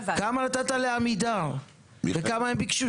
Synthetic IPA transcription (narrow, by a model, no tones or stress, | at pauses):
kamanat̪at̪aleamid̪alə | dekamaambiki̥ʃu